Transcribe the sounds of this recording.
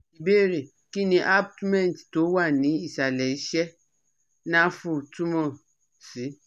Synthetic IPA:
i˨be˦˨ɾe˨ | ki˦ni˨ʔa˦b̚tu˦mɛ˦˨n˨tto˨˦wa˦˨ni˨˦i˨sa˨lɛ˨˦ʃɛ˦ | na˦fu˦˨tu˦mɔ˨ | si˨˦

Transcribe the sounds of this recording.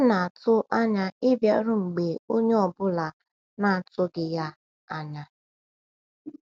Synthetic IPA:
na˨a˨tʊ˦ʔa˦ɲa˦ɪ˦bja̰˦ɾʊ˦ŋ͡m̩˨ɡ͡be˨o˦ɲe˦ɔ˨bʊ˦la˨ | na˨tʊ˦ɡɪ˨ja˦ | a˦ɲa˦

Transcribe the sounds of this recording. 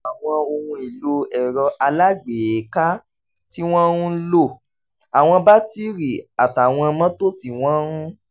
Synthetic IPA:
a˨w̃ɔ̃˧o˧hũ˧i˨lo˧ɛ˨ɾɔ˧ʔa˧la˦ɡ͡be˨e˨˦ka˦ | ti˦w̃ɔ̃˦ũ˦lo˦˨ | a˨w̃ɔ̃˧ba˦ti˦ɾi˨a˨ta˨w̃ɔ̃˧mɔ̃˦to˦ti˧w̃ɔ̃˦ɾũ˦

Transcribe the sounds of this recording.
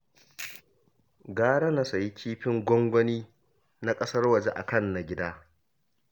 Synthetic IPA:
ɡaː˦ɽa˦na˨˦sɐ˨ji˦kʲʰiː˦ɸɪ˦ŋɡʷɔ˦ŋɡʷɔ˦niː˦ | na˦kʼɐ˦sɐ˦rwɐ˨d͡ʒe˦ʔa̰˨kɐ˦˨nːa˨ɡʲɪ˦daː˦

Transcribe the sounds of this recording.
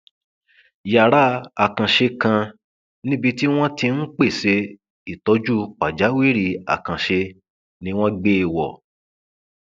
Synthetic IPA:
ja˨ɾa˦a˨kã˨ʃe˧kã˧ | nĩ˦bi˧ti˦w̃ɔ̃˦tĩ˧n̩˦k͡pe˦˨se˨˧˦ | i˨tɔ˨˧˦d͡ʒu˦k͡pa˨d͡ʒa˨˦we˦˨ɾi˧a̰˨kã˨ʃe˧ | nĩ˧w̃ɔ̃˦ɡ͡be˦˨wɔ˨

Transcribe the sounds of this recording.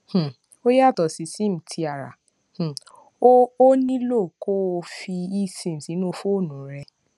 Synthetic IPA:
h̩˨ | o˦ja˦˨tɔ˨si˨˦si˦m̩̃˨tʰi˧a˨ɾa̰˨ | h̩˨ | o˦o˦nĩ˦lo˦˨ko˦˧fi˧i˦˨sẽ˨si˨˦nũ˦o˧fo˦o˦˨nũ˨˦ɾɛ˧

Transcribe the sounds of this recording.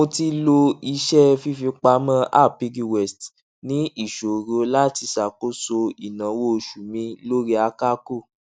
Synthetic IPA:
o˧ti˧lo˧i˧ʃɛ˦fi˧˦fi˧k͡pa˧˦mã˦ʔa̰˦˨pi˨˧ɡi˧wɛ˨st | nĩ˦i˦˨ʃo˨ɾo˧˦la˦ti˧˦sa˨ko˦so˧i˨nã˨˦wo˦˧˨ʃu˨mĩ˧˦lo˦ɾi˦a˧ka˦ku˦˨

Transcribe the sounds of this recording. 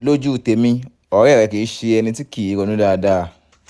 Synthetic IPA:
lo˦d͡ʒu˦˨te˨˧mĩ˧ | ɔ˨˦ɾɛ˦˨ɾɛ˨˧ke˨˦ʃe˧ɛ˧nĩ˧ti˦ki˦˨i˨˦ɡɔ˨˧nũ˦da˦˧da˦˧

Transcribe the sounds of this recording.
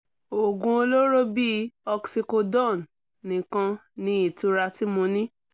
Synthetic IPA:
o˨ɡũ˧o˧lo˦ɾo˦bi˦ɔ˧ksi˧ko˧dɔ̃˦˨nː | ĩ˨kã˧nĩ˧˦i˨tũ˧ɾa˧ti˦mũ˧nĩ˦

